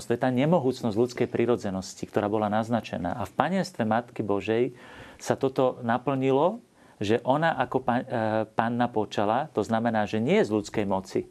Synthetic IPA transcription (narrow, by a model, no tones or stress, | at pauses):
st̪ɔjɛt̪aːɲɛmɔɦuːt͡snɔzɟʎut͡skɛjpɾiɾɔd͡zɛnɔscik̚t̪ɔɾaːbɔlanaznat͡ʃɛ̰na̰ːʔafpaɲɛnst̪ʋɛmat̪kibɔʒɛjsat̪ɔt̪ɔnapl̩ɲilɔ | ʒɛʔɔnaʔakɔpapanːapɔt͡ʃalat̪ɔznamɛnaːʒɛɲɪɛɛzʎut͡skɛjmɔt͡si